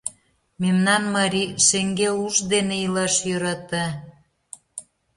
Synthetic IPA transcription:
memnɑnmɑɾʲiʃeŋɡeuʒd̪eneilɑʃjøɾɑt̪ɑ

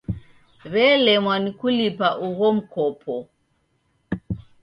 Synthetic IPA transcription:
βɛlɛmwanikulipaʔuɣɔm̩kɔpʰɔ

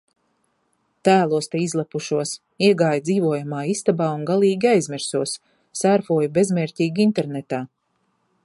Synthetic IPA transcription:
t̪æːlˠuɔst̪ɛizlˠapuʃuɔs | iɛɡaːjd̪ziːvuɔjamaːist̪abaːunɡalˠiːɡʲiajzmʲiɾsuɔsː | aɾfuɔjbe̞zmɛːɾtʲiːɡint̪ɛɾnet̪aː

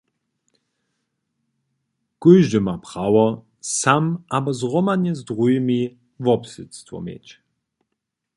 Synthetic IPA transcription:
ɡ̥ʊjʒdəmapʁawɐ | samʔabɐzʁɔmanəzdʁujmi | vɔpsɪt͡stvɔ̰mḛːt͡ʃ

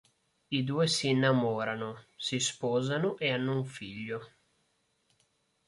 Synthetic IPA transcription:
id̪uːesiːnːamɔːɾanosispɔːzanoʔeanːouɱfiʎːo

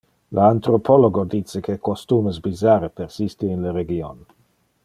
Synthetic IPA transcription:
leant̪ɾopʰoloɡod̪it͡sːekʰekost̪uːmesbizaːɾepersist̪iinleɾeɡion

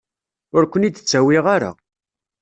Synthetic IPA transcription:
ʊɾkʷənid̪t͡sːæwiʁaɾa̰

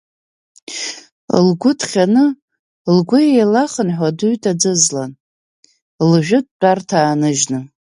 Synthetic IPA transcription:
lɡʷʊtʰχʲanɨ | lɡʷʊjejlaχənħʷaduɥtʼad͡zɨzlan | lʒᶣʊt̚ʼt͡pʼartʰaːnɨʒnɨ

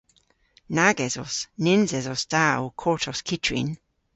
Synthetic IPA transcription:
naɡɛzɔsnɪnzɛzɔsd̥awkʰɔɹtʰɔskʰɪtʰɹḭn

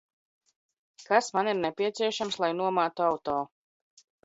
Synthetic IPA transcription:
kasmaniɾnɛpʲiɛt̪siɛʃamslˠajnuɔmaːt̪uawt̪ɔː

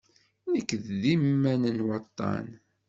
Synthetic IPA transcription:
nəkːððimːænənwɑt̪ˤːɑ̰n

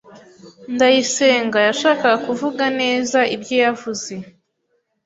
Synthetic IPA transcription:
ndajise̞ːŋɡajaʃaːkaɡakuvuɡane̞ːzaibjojavuze̞

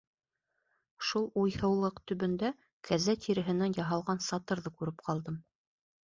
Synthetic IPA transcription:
ʃulˠujhɤ̆wlˠɤqt̪ɵ̆βɵ̆nd̪æ | kʰæzæt̪ʰiɾɘ̆ɦɘ̆nænjɑɦɑlˠʁɑnsɑt̪ɤɾðɤkʉɾɘpqʰɑlˠd̪ɤm

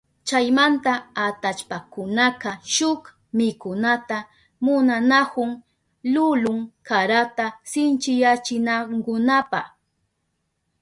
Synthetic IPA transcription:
t͡ʃajmant̪aat̪at͡ʃpakʊnakaʃʊk | mɪkʊnat̪a | mʊnanakʊŋ | lʊlʊŋkaɾat̪asɪnt͡ʃɪjat͡ʃɪnaŋkʊnapaχ

